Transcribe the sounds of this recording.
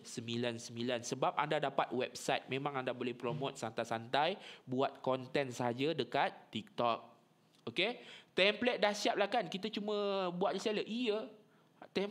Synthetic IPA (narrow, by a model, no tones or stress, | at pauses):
səmilansəmbilansəbap̚a̰ndadapat̪̚wɛp̚sajt̪̚mẽmãŋandabolɛhpɾomot̪̚sant̪ajsant̪ajbuat̪̚kɔnt̪ɛnsəɦad͡ʒadəkat̪ːik̚t̪ɔk̚ | oket̪ɛmplɛt̪̚dahsiap̚lahkankit̪at͡ʃumə̃buwat̪̚lisaləʔijə | t̪ɛm